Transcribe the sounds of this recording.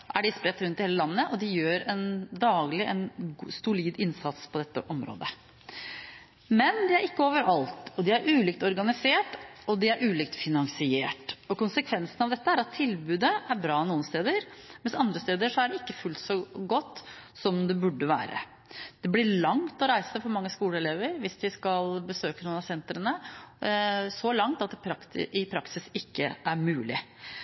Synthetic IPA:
ʔæɖɪspɾɛt̪ːɾʉnt̪ɪheːləlɑnːəʔɔd̪ɪjøːɾɛnd̪ɑːɡlɪʔɛnːsʊliːd̪ɪnsɑt̪spʰɔd̪ɛt̪ːəʔɔmɾo̰ːd̪ə | mɛnd̪ɪæɾɪkːəoːʋəɾɑlt̪ɔd̪ɪæɾʔʉːliːkt̪ɔɾɡɑnɪseːʈɔd̪ɪæɾʔʉːliːk̚t̪fɪnɑŋsɪeːʈɔkʊnsəkʰʋɛnsənɑʋd̪ɛt̪ːəæɾɑt̪ʰːɪlbʉːd̪əæɾbɾɑːnuːənst̪eːd̪əɾmɛnsɑnd̪ɾəst̪eːd̪əʂɔæɖɛɪkːəfʉlt̪sɔɡɔt̪ːsɔmd̪ɛbʉɖːəʋæ̰ːɾə̰ | d̪̥ɛblɪɭɑŋt̪ɔɾæɪsəfɔɾmɑŋːəskuːləɛleːʋəɾʋɪsd̪ɪskɑlbəsøːkənuːnɑsɛnt̪ɾənə | sɔlɑŋt̪ɑt̪ɪpʰɾɑkɪpʰɾɑksɪsɪkːə̰ʔæɾmʉːlɪ̰

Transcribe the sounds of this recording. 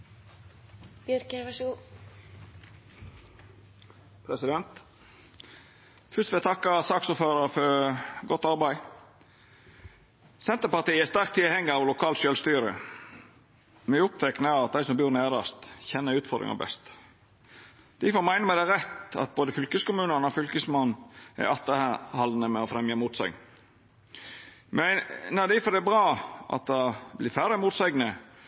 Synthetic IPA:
b̥jœɾkəʋæʂu | pʰɾɛsɪd̪ɛnt̪ | fʏst̪ʋɛt̪ʰɑkːɑsɑːksuːføːɾɑɾfɔɾɡɔt̪ːɑɾbæɪ | sɛnt̪əpɑʁt̪iːæst̪æɾʁk̚t̪ʰːɪhɛŋːɑɑʋlʊkʰɑːlt̪ʃøːlst̪yːɾə̰ | mɛʊp̚t̪ʰɛknəɑt̪̚d̪æɪsɔmbyːɾneːɾɑst̪çɛnːəɾʉːt̪fɔɾd̪ɾɪ̰ŋɑ̰bɛ̰st̪ | d̪̥ɪfɔmæɪnəmɛd̪æɾɛt̪ɑ̰t̪̚boːd̪əfʏlkəskʊmʉːnənɔfʏlkəsmɔnæ̰ʔɑt̪ːəhɑlnəmɛɔfɾɛmjəmuːt̪sɛ̰ɪɡ | mɛnɑd̪ɪfɔd̪ɛbɾɑːʔɑ̰t̪̚d̪ɑblɪɾfæɾəmuːt̪sɛɪɡnə

